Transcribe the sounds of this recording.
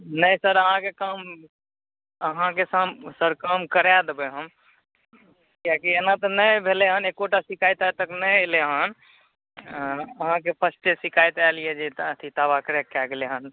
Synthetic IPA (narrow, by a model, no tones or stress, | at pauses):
nəjsəɾəɦãkekam | əɦãkesamsəɾkamkəɾad̪ebeɦəm | kakienat̪ɔnəjbʱeleɦənekoʈasikajt̪ajt̪əknəjleɦən | əɦãkepʰəsʈesikʰajt̪alijed͡ʒet̪ət̪ʰit̪abakɾekaɡeleɦən